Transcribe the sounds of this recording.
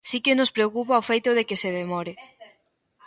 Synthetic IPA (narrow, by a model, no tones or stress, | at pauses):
sikenospɾeokupaofejt̪ʊðekɪseðemɔɾɪ